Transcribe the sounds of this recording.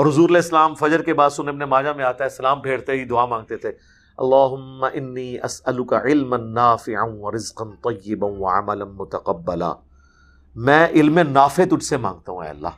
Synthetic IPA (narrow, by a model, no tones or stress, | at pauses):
ɔːɾɦʊzuːɾɐlɛːɪsːɐlaːmfɐd͡ʒəɾkebaːd̪sʊneɐbnemaːd͡ʒamẽaːt̪aɦɛsɐlaːmbʱeːɽt̪eɦid̪ʊaːmãːŋɡ̚t̪et̪ʰe | ɐ̰lːaːɦʊmːɐʔɪnːiːʔɐsɐlʊkaʕɪlmɐnːaːfɪʕaʋɐɾɪzqɐnt̪ˤɑjːɪbɐnʋɐʕa̰mɐlɐnmʊt̪ɐqɐbːɐla̰ː | mɛ̃ːʔɪlmẽnaːfet̪ʊʈʰsemã̰ːŋɡ̚t̪aɦũɛ̰ːɐ̰lːa̰ː